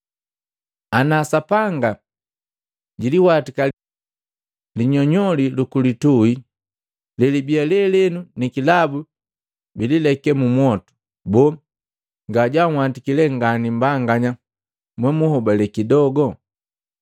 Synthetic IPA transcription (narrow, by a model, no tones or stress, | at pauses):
anaːsapaŋɡa | ɟiliwatika | liɲɔɲɔlilukulitui | lɛlibialɛlɛnunikilabu | bililɛkɛmumwɔtu̥ | bɔ | ŋɡaɟaŋ̩watikilɛŋɡanimbaŋɡaɲa | mwɛmuhɔbalɛkidɔɡɔ